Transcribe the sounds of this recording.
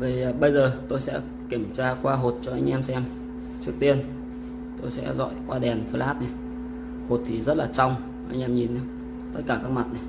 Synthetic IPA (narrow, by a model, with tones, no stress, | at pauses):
vi˨˩˨ɓə˧jzəː˨˩t̪o˧jsɛ̰˧˥ | ki˧˩əmt͡ɕaː˧kwaː˧ɦo˨˩t̚t͡ɕɔ˧ʔa˧jŋ̟ʔɛ˧msɛ˧m | t͡ɕɨ˦˥ək̚t̪i˧ən | t̪o˧jsɛ̰˧˥zɔ̰˧˨jkwaː˧ɗɛ˨˩nfə˧lʔaː˦˥t̚na˨˩j | ho˨˩t̚t̪ʰi˨˩zə˦˥t̚laː˨˩t͡ɕa˧wŋ͡m | ʔa˧jŋʔɛ˧mɲi˨˩nʔa̰˨˦ | t̪ə˦˥t̚kaː˧˩kaː˦˥k̚ma˨˩t̚na˨˩j